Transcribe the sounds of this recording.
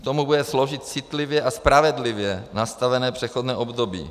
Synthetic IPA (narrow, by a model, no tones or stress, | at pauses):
kt̪omubudɛsloʒɪt̪t͡sɪt̪lɪvjɛʔaspɾavɛd̪lɪvjɛnast̪avɛnɛːpr̝̥ɛxod̪nɛːʔo̞bd̪obḭː